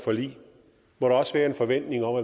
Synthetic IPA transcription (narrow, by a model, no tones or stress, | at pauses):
fɒ̽lḭː | mɒɾ̥eɒ̽səʋæːɐe̝nfɒ̽ʋen̰d̥ne̝ŋɒ̽mæ